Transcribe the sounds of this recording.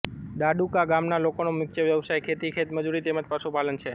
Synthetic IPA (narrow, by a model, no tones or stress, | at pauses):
ɖaɖukaɡamnalokonomɪk̚t͡ʃʰeʋjəʋsajkʰet̪ikʰet̪məd͡ʒuɾit̪eməd͡ʒ̪pəsupalənt͡ʃʰe